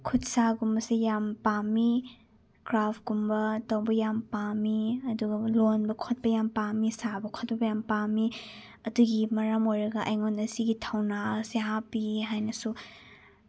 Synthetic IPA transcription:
kʰut̚saɡumbɐsejampami | kɾapʰɡumbɐtɐwbɐjampamiɐduɡɐlonbɐkʰot̚pɐjampamisabɐkʰot̚pɐbɐjampami | ɐduɡimɐɾamojɾɐɡɐʔɐjŋonɐsiɡitʰawnaseɦapiɦajnɐsu

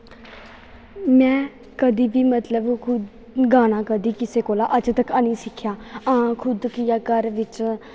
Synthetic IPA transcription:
mɛ̃ː | kəd̪iːʋiːmət̪ləbkʰʊ | ɡaːñaːkəd̪iːkɪseːkoːlaːʔəd͡ʒt̪əkəːnĩːsɪkʰːjaːãkʰʊd̪kijaːkəɾʋɪt͡ʃ

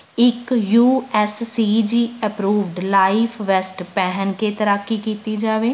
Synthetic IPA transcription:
ɪkjuːɛsːiːd͡ʒiːəpɾuːʋɖlaːipʰʋɛsʈpɛɦənkeːt̪əɾaːkːiːkiːt̪iːd͡ʒaːʋeː

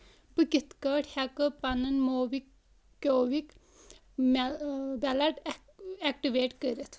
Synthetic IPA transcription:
bɨkit̪kɐːʈhɐkɨpɐnɐnmoːʋikːʲ | oːʋik | mbɐlɐʈ | ɛk̚ʈiʋeːʈkəɾit̪ʰ

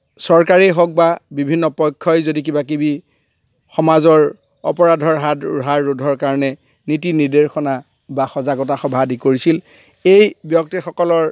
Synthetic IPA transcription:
sɔɹkaɹeɦɔk̚babibʱinːɔpɔjkʰːɔjzodik̬ibakibi | xɔmazɔɹ | ɔ̰pɔɹadʱɔɹɦadṵɹɦaɹːudʱɔɹkaɹɔnɛ | nitinideɹxʰɔna | baxɔzaɡɔtaxɔbʱadʱikoɹisil | ejbjɔk̚tixɔkɔlɔɹ

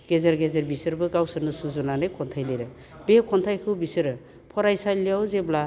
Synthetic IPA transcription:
ɡezaɾɡezeɾbisɯɾbɯɡawsɯɾnɯsuzunanɯjkʰɔntʰajliɾɯ | bekʰɔntʰajkʰɯwbisɯɾɯ | pʰɔɾajsajlijawzebla

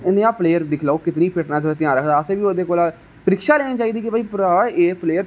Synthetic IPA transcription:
ɪnẽːaːpʰleːjəɾd̪ɪkʰlaoːkɪt̪niːpʰɪʈnaːd͡ʒəɾːt̪ɪãːɾəkʰd̪aːseːʋiːoːd̪eːkoːla | pəɾɪkʃaːleːniːt͡ʃaːiːd̪iːkɪbaːiːpɾaeːpʰleːəɾ

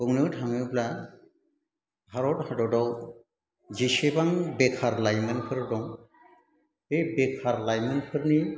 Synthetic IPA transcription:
bɯŋnɯthaŋubla | haɾɔthadɔdɔw | d͡ʒisebaŋbekʰaɾlajmɯnkʰɯɾdɔŋ | ebekʰaɾlajmɯnpʰɯɾni

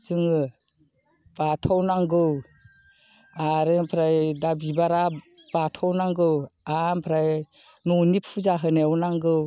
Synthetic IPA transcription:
z̥ɯŋɯ | b̥atʰɔwnaŋɡɯw | aɾɯpʰɾajdabibaɾa | b̥atʰɔwnaŋɡɯwampʰɾaj | nɔnipʰuzaɦɯnewnaŋɡɯw

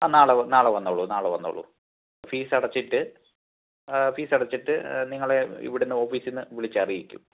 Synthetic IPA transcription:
aːnaːɭɐnaːɭɐʋɐnːoːɭːunaːɭeʋɐ̰nːo̰ːɭːṵ | fiːsɐɽɐt͡ɕːiʈːɨ | fiːsɐɽɐt͡ɕːiʈːɨniŋːɐɭeḭʋiɽenːɐo̞ːfiːsinːɨʋiɭit͡ɕːɐrijikʲːṵm

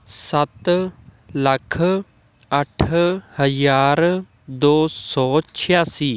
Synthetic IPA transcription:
sət̪ | ləkʰ | əʈʰhəjaːɾ | d̪oːsɔːt͡ʃʰɪjaːsiː

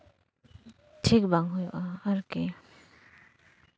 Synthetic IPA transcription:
tʰik̚baŋɦujɔ̰ʔaaɾke

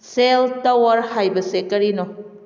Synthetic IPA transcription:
seltɐwɐɾhajbɐsekɐɾinɔ

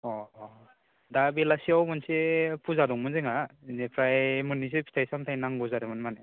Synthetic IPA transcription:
ɔ | dabelasiawmɯnsepʰuzadɔŋmɯnzeŋanepʰɾajmɯnːis̬epʰi̥tʰajsamtʰajnaŋɡɔzaɾɯmɯnmane

